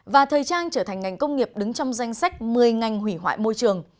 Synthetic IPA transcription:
vaː˨˩t̪ʰəː˨˩jt͡ɕaː˧nt͡ɕəː˧˩t̪ʰa˨˩ŋ̟ːa˨˩jŋ̟kə˧wŋ͡mŋi˨˩əp̚ɗɨ˨˦ŋt͡ɕɔ˧wŋ͡mza˧jŋ̟sa˦˥k̚mɨ˨˩əjŋa˨˩jŋ̟ɦwi˧˩ɦwa̰ː˧˨jmo˧jt͡ɕɨ˨˩əŋ

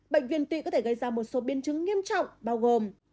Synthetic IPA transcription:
ɓə̰˧˨ŋ̟vḭ˧˨ənt̪ḭ˧˨kɔ˨˦t̪ʰe˧˩ɣə˧jzaː˧mo˨˩t̚so˨˦ɓi˨˦ənt͡ɕɨ˨˦ŋːi˧əmt͡ɕɔ̰˧˨wŋ͡mɓaː˧wɣo˨˩m

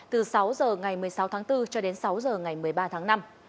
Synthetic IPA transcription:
t̪ɨ˨˩sa˨˦wzəː˨˩ŋa˨˩jmɨ˨˩əjsa˨˦wt̪ʰːŋt̪ɨ˧t͡ɕɔ˧ɗe˨˦nsa˨˦wzəː˨˩ŋa˨˩jmɨ˨˩əjɓaː˧t̪ʰaː˨˦ŋna˧m

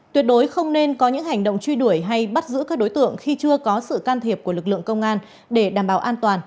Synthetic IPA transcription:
t̪wi˨˩ət̚ɗo˨˦jxə˧wŋ͡mne˧nkɔ˨˦ɲɨ̰˧˥ŋɦa˨˩jŋ̟ɗo̰˧˨wŋ͡mt͡ɕwi˧ɗu˧˩əjɦa˧jɓə˦˥t̚zɨ̰˧˥kaː˦˥k̚ɗo˨˦jt̪ɨ̰˧˨əŋxi˧t͡ɕɨ˧əkɔ˨˦sɨ̰˧˨kaː˧nt̪ʰi˨˩əp̚ku˧˩əlɨ˨˩k̚lɨ̰˧˨əŋkə˧wŋ͡mŋʔaː˧n | ɗe˧˩ɗaː˧˩mɓaː˧˩wʔaː˧nt̪waː˨˩n

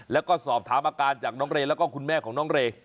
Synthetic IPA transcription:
lɛː˦˥wkɔː˥˩sɔː˨˩p̚t̪ʰaː˩˦mʔaː˧kaː˧nt͡ɕaː˨˩k̚nɔː˦˥ŋɾeː˧lɛː˦˥wkɔː˥˩kʰu˧nmɛː˥˩kʰɔː˩˦ŋnɔː˦˥ŋɾeː˧

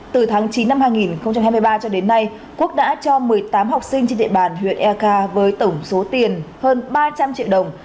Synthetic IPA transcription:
t̪ɨ˨˩t̪ʰaː˨˦ŋt͡ɕi˨˦nːa˧mhaː˧jŋi˨˩nxə˧wŋ͡mt͡ɕa˧mhaː˧jm˧jɓaː˧t͡ɕɔ˧ɗe˨˦nːa˧j | ku˦˥ək̚ɗa̰ː˧˥t͡ɕɔ˧mɨ˨˩əjt̪aː˨˦mɦa˨˩wk͡p̚sï˧ŋt͡ɕe˧nɗḭ˧˨ɓaː˨˩nɦwḭ˧˨ənʔɛ˧kaː˧vəː˨˦jt̪ə˧˩ŋ͡mso˨˦t̪i˨˩ənhəː˧nɓaː˧t͡ɕa˧mt͡ɕḭ˧ə˨wɗə˨˩wŋ͡m

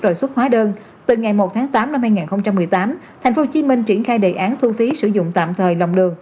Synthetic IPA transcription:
zo˨˩jswə˦˥t̚hwaː˨˦ɗəː˧n | t̪ɨ˨˩ŋa˨˩jmo˨˩t̚t̪ʰaː˨˦ŋt̪aː˨˦mna˧mhaː˧jŋaː˨˩nxə˧wŋ͡mt͡ɕa˧mːɨ˨˩əjt̪aː˨˦m | t̪ʰɛ˨˩jŋ̟fo˨˦t͡ɕi˨˦mï˧ŋ̟t͡ɕi˧˩ənxaː˧jɗe˨˩ʔaː˨˦nt̪ʰu˧fi˨˦sɨ̰˧˩zʊ̰˧˨ŋ͡mt̪a̰ː˧˨mt̪ʰəː˨˩jla˨˩wŋ͡mɗɨ˨˩əŋ

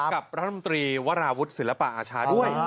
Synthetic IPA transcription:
ka˨˩p̚ɾa˦˥t̪ʰa˧mo˧nt̪ɾiː˧wa˦˥ɾaː˧wu˦˥t̪̚si˩˦la˧˩pa̰˨˩ʔaː˧t͡ɕʰaː˧du˥˩əj

